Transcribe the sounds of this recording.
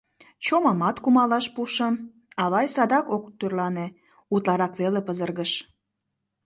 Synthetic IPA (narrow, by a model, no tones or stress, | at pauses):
t͡ɕomɑmɑt̪kumɑlɑʃpuʃəm | ɑβɑjsɑd̪ɑkok̚t̪ørlɑne | ut̪lɑɾɑkβelepəzərɣəʃ